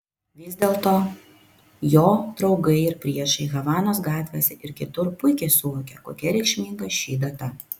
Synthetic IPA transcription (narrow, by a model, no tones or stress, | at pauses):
ʋʲɪzʲd̪ʲeːlˠt̪oː | joːd̪ɾɒʊɡɐɪɪɾpʲɾʲiɛʃɐɪɣɐʋɑːnoːsɡɑːt̪ʲʋʲeːsʲɛʔɪɾkʲɪt̪ʊɾpʊɪkʲɛɪsʊʋoːkʲɛko̰ːkʲɛɾʲɛɪkʃʲmʲiːŋɡɐʃʲiːd̪ɐt̪ɐ